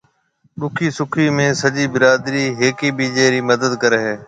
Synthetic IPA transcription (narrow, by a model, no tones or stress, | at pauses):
ɗʊkʰiːsʊkʰiːmẽːsəd͡ʒiːbɪɾaːd̪ɾiːɦeːkiːbiːd͡ʒeːɾiːməd̪əd̪kəɾeɦeː